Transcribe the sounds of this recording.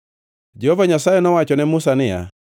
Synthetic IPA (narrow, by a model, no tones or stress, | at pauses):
d͡ʒɛhɔvaɲasajɛnɔwat͡ʃɔnɛmʊsanɪja̰